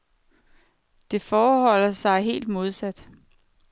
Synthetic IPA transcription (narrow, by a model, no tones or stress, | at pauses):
d̥e̝fɒːhɒ̽l̰ɐsɑ̈ɪɦe̝̰ːld̥mo̝ð̞ˠsæd̥